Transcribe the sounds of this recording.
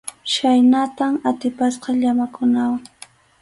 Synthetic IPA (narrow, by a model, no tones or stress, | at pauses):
ʃajnat̪amat̪ɪpasqɑʎamakʊnawaŋ